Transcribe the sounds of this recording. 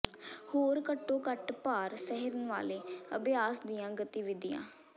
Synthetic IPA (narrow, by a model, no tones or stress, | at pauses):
hoːɾkəʈːoːkəʈpaːɾsɛɦɪɾənʋa̰ːleːəbjaːsd̪ijãːɡət̪iʋɪd̪ɪjã̰ː